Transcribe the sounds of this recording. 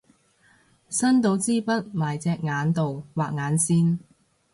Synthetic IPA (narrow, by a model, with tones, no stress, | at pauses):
sɐ˥nt̪o˨˥wt͡siː˥pɐ˥t̚maː˨jt͡sɛː˧k̚ŋaː˨˧˥nt̪o˨wwaː˨˩k̚ŋaː˨˥nsiː˥n